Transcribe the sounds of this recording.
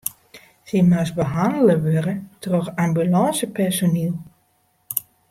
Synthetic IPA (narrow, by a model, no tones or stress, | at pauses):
simasbəɦandələʋørətrɔxambylɑnsəpɛrsonilˠ